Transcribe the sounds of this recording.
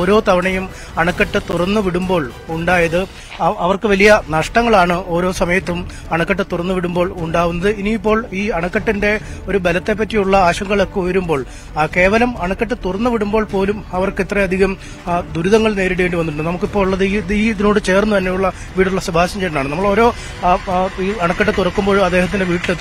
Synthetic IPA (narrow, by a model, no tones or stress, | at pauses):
oːɾo̞ːt̪ɐʋɐɳɐjum | ɐɳɐkːɐʈːɨt̪urɐnːɨʋiɽumbo̞ːɭ | uɳɖaːjɐðɨ | ɐʋɐrkɨʋɐlijɐnɐʂʈɐŋːɐɭaːɳɨo̞ːɾo̞ːsɐmɐjɐt̪ːum | ɐɳɐkːɐʈːɨt̪urɐnːɨʋiɽumbo̞ːɭuɳɖaːɣunːɐðɨiniːpːo̞ːɭiːɐɳɐkːɐʈːinde̞o̞ɾubelɐt̪ːe̞p̬ːɐtːijuɭːɐaːɕɐŋɡɐɭo̞kːeujɐɾumbo̞ːɭ | ke̞ːʋɐlɐmɐɳɐkːɐʈːɨt̪urɐnːɨʋiɽumbo̞ːɭpo̞ːlumɐʋɐrkit̪ːrɐɐd̪ʱiɣɐm | d̪uɾuðɐŋːɐɭne̞ːɾiɽiʋeːɳɖiʋɐnːuʈuɳɖɨnɐmukːipːo̞ːɭɭːɐðɨiiːðino̞ːɽɨt͡ɕe̞ːrnːut̪ɐnːejuɭːɐ | ʋiːɽuɭːɐsɐbʱaːɕɐmt͡ɕeɾɐnaːɳɨnɐmːɐɭo̞ːɾo̞ː | iːɐɳɐkːɐʈːɨt̪urɐkːumbo̞ːɭɐd̪ːe̞ːɦɐt̪̬ːindeʋiːʈːil